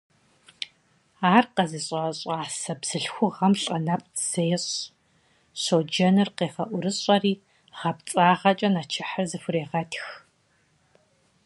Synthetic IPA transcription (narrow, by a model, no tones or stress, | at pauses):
aːrqɐziːɕʼɐɕʼaːsɐbz̥ɨɬxʷʊʁɐmɬʼɐnɐpʼz̥eːɕʼ | ɕod͡ʒɐnɨrqeːχɐʔʷʊɾɨɕʼɐriː | ʁɐpt͡sʼaːʁɐt͡ʃʼɐnɐt͡ʃʰɪħarzɨfʷʊreːʁɐtʰx